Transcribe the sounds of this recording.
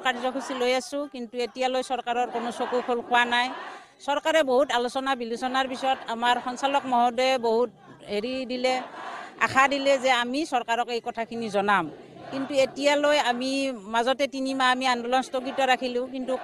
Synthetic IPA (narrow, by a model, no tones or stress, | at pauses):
kaɹizɔkʰusilojasʊ̃kintuetijalojsɔɹkaɹɔɹkonosokukʰolkʰʊwanaj | sɔɹkaɹɛboɦutalosɔnabilusɔnaɹpisɔɔjɔtamaɹxɔnsalɔkmɔɦɔdɔɛboɦut̚ | ɦeɹidilɛa̰kʰadilɛzɛamisɔɹkaɹɔkejkɔtʰakʰinizɔnam | kintuetijalojamimazɔtɛtinimaːmiandɔlɔnstoɡitɔɹakʰilʊ̃k̬intu